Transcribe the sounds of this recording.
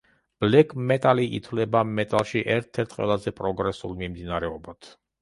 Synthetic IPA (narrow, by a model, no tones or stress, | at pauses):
b̥lɛkʰʼmɛt̪ʼaliʔḭt̪ʰwlɛbamɛt̪ʼalˠʃiʔɛɾt̪ʰɛɾt̪ʰqʼwɛ̰lˠazɛpʼɾɔɡɾɛsṵlˠmimd̪inaɾɛɔbad̪̥